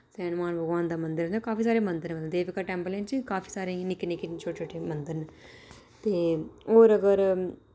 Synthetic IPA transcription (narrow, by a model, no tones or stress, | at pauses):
sɛːnmaːnbʱəɡʋaːnd̪aːmə̃nd̪ɪɾakaːfiːs̬aːɾeːmə̃nd̪əɾneməd̪d̪eːʋɪkaːʈɛ̃ːmpəleːnt͡ʃikaːfʰiːsaːɾẽːnɪkːnɪkent͡ʃʰoːʈet͡ʃʰoːʈʰeːmənd̪əɾn | t̪eːoːɾəɡəɾ